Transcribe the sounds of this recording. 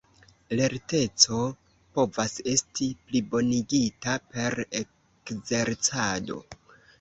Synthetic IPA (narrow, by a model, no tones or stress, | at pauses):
le̞ɾte̞t͡so̞ | po̞vase̞stiplibo̞niɡitape̞ɾe | kze̞ɾt͡sado̞̰